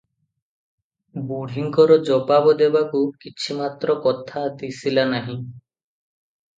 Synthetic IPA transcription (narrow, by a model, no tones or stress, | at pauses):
buɽ̤ʱiŋkɔɾɔd͡ʒɔbabɔd̪ebakukit͡ʃʰimat̪ɾɔkɔt̪ʰat̪isilanaɦĩ